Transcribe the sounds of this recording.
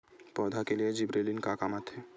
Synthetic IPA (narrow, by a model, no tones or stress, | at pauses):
pɔːd̪ʱakelijed͡ʒɪbɾeːlinkakamat̪ɦɛː